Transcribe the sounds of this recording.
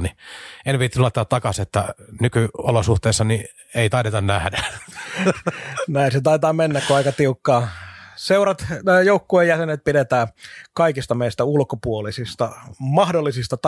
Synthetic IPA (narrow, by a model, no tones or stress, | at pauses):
nienʋit̪ːnuɑt̪ːˑɑːt̪ɑkɑset̪ːænykyolosuht̪eːsːɑni | eit̪ɑˑiɾet̪ɑnnæhdæ | næinset̪ɑit̪ɑːmenːækkuɑikɑt̪iukːɑːseurɑt̪ːjoukːuejjæsenet̪̚piɾet̪æːkɑikist̪ɑmeist̪æulkopuolisist̪ɑmɑhdolːisist̪ɑt̪